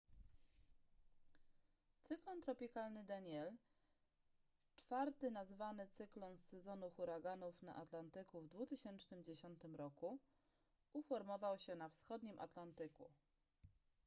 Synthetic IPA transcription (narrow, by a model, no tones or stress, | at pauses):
t̪sɘklɔnt̪ɾɔpʲikalnɘd̪aɲɛl | t͡ʂfaɾt̪ɘnazvanɘt̪sɘklɔnsɛzɔnuxuɾaɡanufna̰ʔat̪lant̪ɘkuvd̪vut̪ɘɕɛnt͡ʂnɘmd͡ʑeɕɔnt̪ɘmɾɔku | ufɔɾmɔvawɕɛnafsxɔd̪ɲimʔa̰t̪lant̪ɘkṵ